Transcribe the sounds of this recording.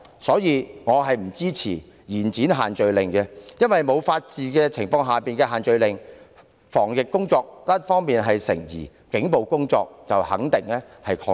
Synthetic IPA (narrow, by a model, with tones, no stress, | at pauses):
sɔː˨˥jiː˨˧ŋɔː˨˧ɦɐ˨jm̩˨˩t͡siː˥t͡sʰḭː˨˩ | jiː˨˩nt͡siː˨˥nɦaː˨nt͡ʃɵ˨ɥlɪ˨ŋkɛ˧jɐ˥nwɐ˨jmo˨˧wfaː˧t̚t͡siː˨˧kɛː˧t͡sʰɪ˨˩ŋfɔː˧ŋɦaː˨piː˨nkɛː˧ɦaː˨˩nt͡ʃɵ˨ɥlɪ˨ŋ | fɔː˨˩ŋjɪ˨kːʊ˥ŋt͡sɔː˧k̚tɐ˥t̚fɔː˥ŋmiː˨nɦɐ˨jsɪ̰˨˩ŋjḭː˨˩ | kɪ˨˥ŋpo˨wkʊ˥ŋt͡sɔ̰ː˧k̚t͡sɐ˨whɐ̰˨˥ŋt̪ɪ˨ŋlɛː˥hɐ˨jkʰɔː˧